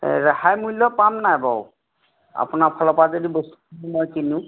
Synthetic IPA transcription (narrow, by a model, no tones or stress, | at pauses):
ɹahajmujlɔpamnajbɔw | a̰pʊnapʰɔlɔpazodibostulumɔjkiniʊ̃